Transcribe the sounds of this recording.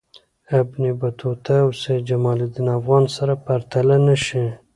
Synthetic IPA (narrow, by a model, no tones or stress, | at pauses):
abnibat̪ʰot̪awsed͡ʒamɑlɪd̪inafɣɑnsaɾapaɾt̪alanaʃi